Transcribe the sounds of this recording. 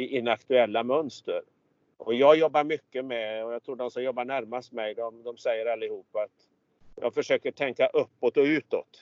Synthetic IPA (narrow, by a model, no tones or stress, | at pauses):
ɪʔɪnːakt̪ɵɛlːamœnst̪ə̰ɾ | ʔɔjɑːɡjɔbːaɾmʏkːəmɛɔjaːt̪ʰɾuːɖɔmsɔmjɔbːaɳæɾmast̪mɛjd̪ɔmd̪ɔmsɛjːəɾalːɪhuːpːaat̪ | jɑ̰ːɡfœʂøːkəʈʰɛŋkaʔɵpːɔt̪ɔʉ̟ːt̪ɔ̰t̪